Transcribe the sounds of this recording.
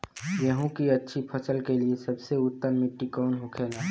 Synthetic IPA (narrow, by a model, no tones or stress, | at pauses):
jəɦũkiɐtːʃʰipʰəsəlkeliesəbseʊt̪ːəɾmɪʈːikɔːnɦokʰeːlaː